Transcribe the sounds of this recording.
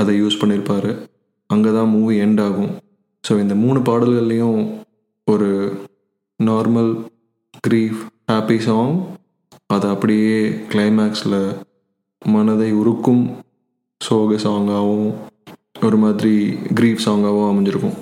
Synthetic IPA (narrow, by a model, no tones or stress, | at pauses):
ɐðɐjuːspɐɳːɪɾɯpːaːɾɯ | ɐŋɡeːt̪ãːmuːʋiɛɳɖaːɣʊ̃ | soːɪnd̪ɐmuːɳɯp̬aːɽɐlɣɐɭːɐjʊ̃ | ɔɾɯ | naːɾmɐl | ɡ̥ɾiːfhaːpisãːŋ | ɐðɐɐpːɐɽɪjeːkɭɐɪmaːksɪlɐ | mɐnɐðɐɪʊɾɯkːɯm | soːɣɐsaːŋɡaːʋʊ̃ | ɔɾɯmaːðɪɾiɡɾiːfsaːŋɡaːʋʊ̃ɐmɛɲd͡ʒɪɾɯkːʊ̰̃